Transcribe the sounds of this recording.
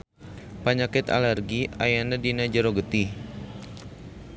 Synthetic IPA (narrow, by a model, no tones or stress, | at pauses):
paɲakɪt̪a̰lɛrɡiajanadinad͡ʒəɾoɡət̪i